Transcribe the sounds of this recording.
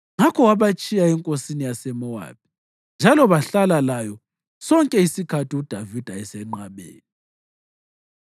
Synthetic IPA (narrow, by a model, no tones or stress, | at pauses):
ŋakʰɔwaβat͡ʃʼijaɛŋkʼosinijasɛmɔwa̰ːp̚ʰi̥ | nd͡ʒʱalɔβaɬalalajɔ | sɔŋkʼɛisikʰatʰiud̥ʱavid̥ʱaɛsɛŋ͡ǃaβḛːni